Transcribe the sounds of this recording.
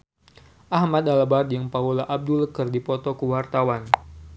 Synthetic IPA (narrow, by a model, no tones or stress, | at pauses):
ʔahmad̪alabart̪jaŋpaulaʔab̚duləkɨrdipɔt̪ɔkuwart̪awan